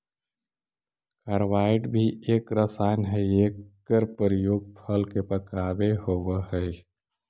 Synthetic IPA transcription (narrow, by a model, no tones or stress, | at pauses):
kaɾʋaːɪʈbʱieːkɾəsaːnɦɛeːkː | əɾpəɾjoːɡ̚pʰəlkepəkaːbehoːwəhɛ